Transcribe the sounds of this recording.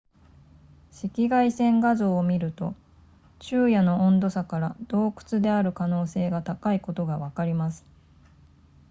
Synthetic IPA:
ɕikʲiɡaisẽ̞ŋɡazo̞ːmʲiɾɯ̟t̪o̞ | t͡ɕɨːjano̞õnd̪o̞sakaɾad̪̥o̞ːkɯ̟̥t͡sɨd̪e̞aɾɯ̟kano̞ːse̞ːɡat̪akaiko̞t̪o̞ɡaβakaɾʲimasɨ̥

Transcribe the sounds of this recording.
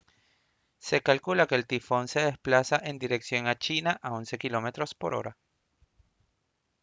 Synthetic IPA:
se̞kalkulake̞ːlt̪ifo̞nse̞ðe̞splasaʔe̞nd̪iɾe̞ksjo̞ŋat͡ʃinaʔao̞nse̞kilo̞me̞t̪ɾo̞spo̞̰ɾo̞̰ɾa

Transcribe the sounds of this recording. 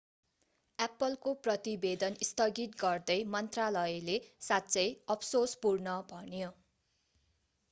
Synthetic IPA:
apːʌlkoprʌt̪ibed̪ʌnist̪ʌɡit̪ɡʌrd̪ʌjmʌnt̪ralʌjlesat̪ːt͡sʌjʌpʰsospurnʌbʱʌnjo

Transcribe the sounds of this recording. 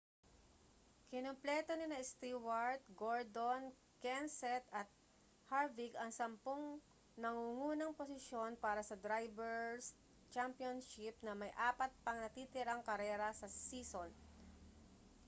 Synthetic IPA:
kɪnomplɛːt̪onɪnɐʔɪst̪iːwɐɹt̪̚ɡoɹd̪on | kɛnsɛt̪ɐt̪̚ | haɹvɪɡɐŋsɐmpoŋ | nɐŋuŋuːnɐŋposɪʃjo̞npaːɾɐsɐd̪ɾajbɛɹs | t͡ʃampjonʃɪp̚nɐmɐjʔaːpɐt̪̚pɐŋnɐt̪iːt̪ɪɾaŋkɐɾɛːɾɐsɐsiːson

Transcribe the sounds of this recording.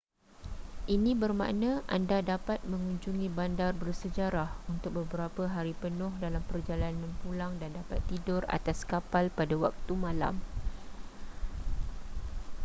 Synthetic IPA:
ʔinĩbərmã̰ʔnə̃ʔandadapat̪̚mə̃ŋuɲd͡ʒuŋĩbandarbərsəd͡ʒaɾahunt̪ʊk̚bəbəɾapəɦaɾipənʊ̃hdalampərd͡ʒalanãnpulaŋdandapat̪ːidʊra̰t̪askapalpadawak̚t̪umãla̰m

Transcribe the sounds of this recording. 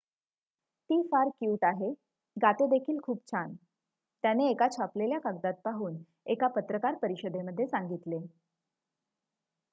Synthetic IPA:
t̪iːfaɾkjuːʈ̪aɦe | ɡat̪ed̪ekʰiːlkʰuːp̚t͡ɕʰan | t̪janeːkat͡ɕʰapleljakaɡd̪at̪̚paɦuːn | ekapət̪ɾəkaɾpəɾiɕəd̪ʱeməd̪ʱːjesaŋɡit̪le

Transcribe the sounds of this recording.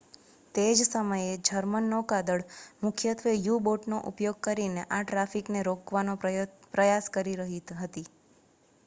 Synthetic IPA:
t̪ed͡ʒsəməjed͡ʒʱəɾmənːokad̪əɭmʊkʰjət̪ʰʋejuboʈnoʔupjoɡ̚kəɾineʔaʈɾafikneɾokʋanopɾəjaskəɾiɾəɦiɦət̪i

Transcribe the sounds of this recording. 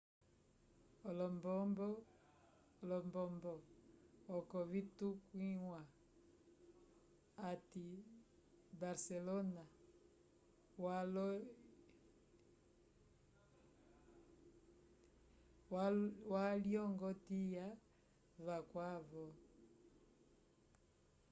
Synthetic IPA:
ɔlɔmbɔmbɔ | lɔmbɔmbɔ | ɔkɔvitukwiwa | ati | baɾsɛlɔna | walɔ | waljɔŋɡɔtija | vakwavɔ

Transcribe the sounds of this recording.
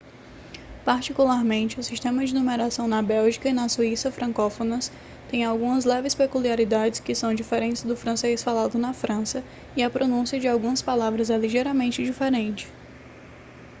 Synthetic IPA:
paɾt͡ʃikulaɾmẽnt͡ʃɪʊsiʃt̪ẽmɐd͡ʒɪinumeɾasɐ̃w̃nɐbɛwʒikɐinɐsuisɐfɾʔɐ̃kofonɐs | t̪ẽj̃awɡũmɐzlɛvɪspekuliaɾid̪ad͡ʒɪskɪsɐ̃w̃d͡ʒifeɾẽnt͡ʃɪzd̪ʊfɾɐ̃sejsfalad̪ʊnɐfɾʔɐ̃sɐ | iɐpɾonũsiɐd͡ʒɪawɡũmɐspalavɾɐzɛliʒeɾɐmẽnt͡ʃɪd͡ʒifeɾẽnt͡ʃɪ̥

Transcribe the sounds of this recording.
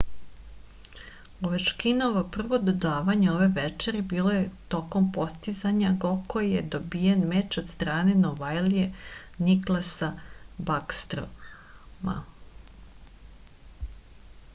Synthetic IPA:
oʋeʃkinoʋopr̩ʋo̞d̪od̪aːʋaɲeoʋe̞ʋɛt͡ʂeɾibiːlˠo̞jet̪o̞ko̞mpo̞st̪izaɲaɡokojjed̪obijenmet͡ʃod̪st̪ɾaːne̞noʋajlije | niklˠasabakst̪ɾo̰ | ma̰

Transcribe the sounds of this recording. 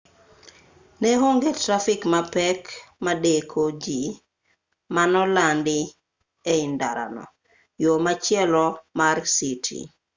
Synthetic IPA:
neɦoŋɡetɾafikmapɛkmadekʰod͡ʒi | manɔlandɪ | eɪndaɾa̰nɔ̰ | jomat͡ʃjɛlɔmarsitʰḭ

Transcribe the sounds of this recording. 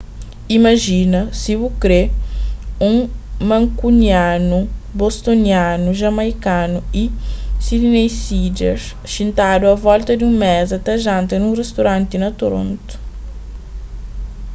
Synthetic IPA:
imɐʒinɐsivukɾe | ũŋmɐ̃ŋkunianubost̪onianuʒɐmajkanuisid̪inejsid͡ʒḛɾs | ʃĩnt̪ad̪uɐvɔlt̪ɐd̪ũŋmɛzɐt̪ɐʒãnt̪ɐnũrest̪oɾãnt̪inɐt̪oɾõ̰nt̪u̥

